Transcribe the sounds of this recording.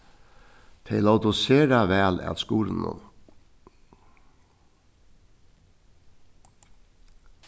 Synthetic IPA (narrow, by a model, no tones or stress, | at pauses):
t̪ʰeɪlɑʊd̪ʊseːɾɑʋæːlæ̰t̪skuːɾn̩ɔ̰m